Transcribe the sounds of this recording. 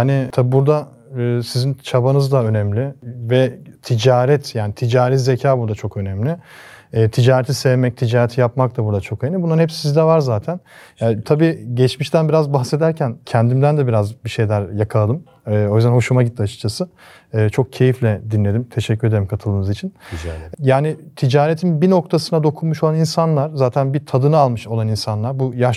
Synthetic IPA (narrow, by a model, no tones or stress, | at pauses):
hanɪt̪ʰabibuɾd̪a | ɯːsizint͡ʃʰabanɯzd̪aø̞nɛmlʲɪvɛt̪ʰid͡ʒaːɾɛt̪ʰjaːnit̪ʰid͡ʒaːɾitzecʰaːbuɾd̪at͡ʃʰo̞kø̞nɛmlʲɪː | t̪ʰid͡ʒaːɾet̪ʰisɛvmɛc̚t̪ʰid͡ʒaːɾɛt̪ʰijapmak̚t̪ʰabuɾd̪at͡ʃʰo̞kʰajɯnɯbunːˠaɾnɛpssizd̪ɛvaɾzaːt̪ʰænjat̪ʰabiːɟɛt͡ʃmiʃt̪ænbiɾazbaxse̞d̪æɾcʰæncʰɛnd̪imd̪ænd̪ɛbiɾazbiʃe̞jlʲæɾjakʰalˠad̪ɯm | ɯːo̞jyzd̪ænɦo̞ʃumaɟit̪ʰːiat͡ʃʰɯ̥k̚t͡ʃʰasɯː | t͡ʃʰo̞k̚cʰe̞jiflʲɛd̪inlʲe̞d̪imt̪ʰeʃɛcʰʲːyɾed̪eɾimkʰat̪ʰɯlˠd̪ɯnɯzit͡ʃʰinjaːnɪt̪ʰid͡ʒaːɾet̪ʰinbino̞k̚t̪ʰasɯnad̪o̞kʰunmuʃolˠaninsanlˠaɾ̥zaːt̪ʰænbit̪ʰad̪ɯnɯalˠmɯʃo̞lˠaninsanlˠaɾbujaʃ